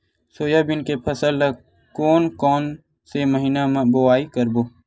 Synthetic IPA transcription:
soːjabɪnkepʰəsəlːə | kɔːnkɔːn | seməɦiːnambowaːikəɾboː

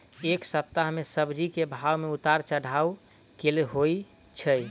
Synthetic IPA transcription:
eksəp̚t̪aɦmesəbd͡ʒikebʱawmeut̪aɾt͡ʃəɽ̤au | keleɦoi | t͡ʃʰə

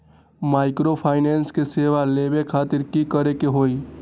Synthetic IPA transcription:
maːɪkɾopʰaːɪneːnskeseːʋaleːbekʰaːt̪ɪɾkikəɾekeɦoːi

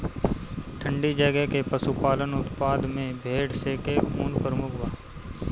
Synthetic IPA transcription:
ʈʰə̃ɳɖid͡ʒəɡekepəsupaːlənʊt̪paːd̪mẽbʱeːɽseːkekʰuːnpəɾəmʊkʰbaː

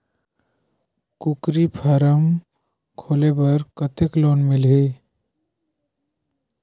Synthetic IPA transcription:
kʊkɾipʰəɾəm | kʰoːlebəɾkət̪ekloːnmɪlɦeː

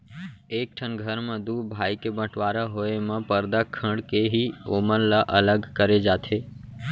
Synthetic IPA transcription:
ek̚ʈʰənɡʱəɾmãd̪ubʱajkebəʈʋaɾaɦoemãpəɾd̪akʰəɽkeɦioməɾlaʔələɡkəɾed͡ʒat̪ʰe

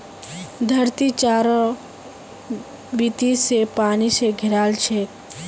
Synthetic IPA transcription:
d̪ʱəɾt̪it͡ʃaːɾɔ | bit̪isepaːniseɡʱɪɾaːlt͡ʃʰe

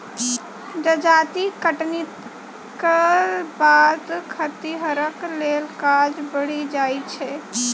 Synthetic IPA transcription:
d͡ʒəd͡ʒat̪ikəʈnit̪ | kəbad̪kʰət̪iɦəɾəklelkad͡ʒbəɽ̤id͡ʒajt͡ʃʰɛ

